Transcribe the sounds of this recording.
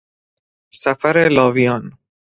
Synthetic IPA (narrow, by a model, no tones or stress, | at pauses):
sæfæɾelɒːvijɒːn